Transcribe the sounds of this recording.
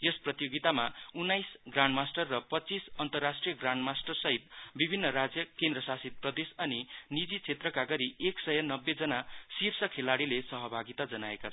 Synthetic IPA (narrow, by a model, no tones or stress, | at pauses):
jesprʌt̪joɡit̪amaunːajsɡranmasʈʌrːʌpʌtːt͡sisʌnt̪ʌrːasʈrijʌɡranmasʈʌrsʌɦit̪̚bibʱinːʌɾad͡zjʌkend̪rʌsasit̪̚prʌd̪esʌninid͡zit͡sʰet̪rʌkaɡʌɾieksʌjʌnʌbːed͡zʌnasirsʌkʰelaɽilesʌɦʌbʱaɡit̪ad͡zʌnaekat͡sʰ